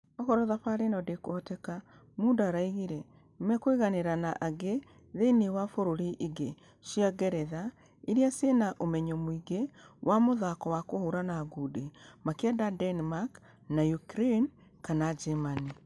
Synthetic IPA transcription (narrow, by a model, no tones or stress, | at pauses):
ɔɣɔɾɔðapaɾenɔdekɔtɛka | mundaːɾaiɣiɾɛ | mɛkweɣaneɾanaʔaɡe | ðeinewafoɾoɾiʔiɡe | ʃiaɡɛɾɛða | iɾiasenaʔomɛɲɔmwiɡewʔamoðakɔwakohoɾanaːɡudemakeɛdadɛnmak | najukɾen | kanad͡ʒɛmani